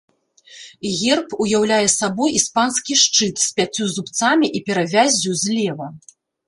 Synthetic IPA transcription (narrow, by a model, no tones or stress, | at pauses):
ɣʲɛrpujawlʲajɛsabɔjispanskʲiʂt͡ʂɨt̪sʲpʲat͡sʲːuzupt̪samʲiʔipʲɛɾavʲazʲːuzʲlʲɛvɐ